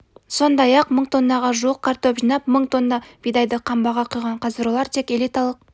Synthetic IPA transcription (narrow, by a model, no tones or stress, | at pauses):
so̞nd̪ɑjɑqməɴt̪ʰo̞nːɑʁɑʒuəqkʰːɑɾt̪opʒinɑpməɴt̪o̞nːɑb̥ijd̪ɑjd̪əqʰɑmbɑʁɑqʰujʁɑɴqʰɑzɾolˠɑɾt̪ʰe̞ke̞lijt̪ɑlˠəq̚